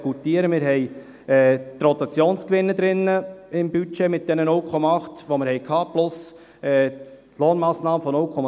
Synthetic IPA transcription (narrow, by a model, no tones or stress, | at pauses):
kutiəɾəmɪɾɦɛɪ | ɛt̪rɔt̪ɑt͡sjoːnskʋɪnːəd̪ɾɪnːəɪmbyt͡ʃeːmɪt̚d̪̥ɛnənʊlkʰɔmɑɑχtʋoməɾhɛɪkʰhɑːplʊs | ɛː | loːnmɑːsnɑːməfɔnʊlkʰɔmɑ